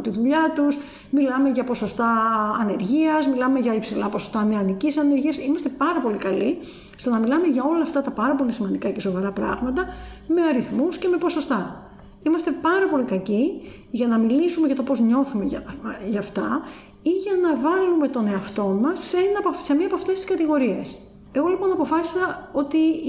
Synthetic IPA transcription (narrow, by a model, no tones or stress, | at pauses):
t̪iðuʎɐt̪us | milɐme̞ʝɐpo̞so̞st̪ɐːne̞ɾʝiɐzmilɐme̞ʝɐipsilɐpo̞so̞̥st̪ɐneɐnicisɐne̞ɾʝiɐsimɐst̪e̞pɐɾɐpo̞likɐli | st̪o̞nɐmilɐme̞ʝɐo̞lɐːft̪ɐt̪ɐpɐɾɐpo̞lisimɐnd̪ikɐce̞so̞vɐɾɐpɾɐ̰ɣmɐt̪ɐme̞ɐɾiθmusce̞mepo̞so̞st̪ɐ | imɐst̪e̞pɐɾɐpo̞likɐci | ʝɐnɐmilisume̞ʝɐt̪o̞po̞zɲo̞θumeʝɐft̪ɐ | iʝɐnɐvɐlume̞t̪o̞ne̞ɐft̪o̞mɐsːeenɐpse̞miɐpoɐft̪e̞st̪i̥skɐt̪iɣo̞ɾie̞s | e̞ɣo̞lipo̞nɐpo̞fɐsi̥sɐo̞t̪i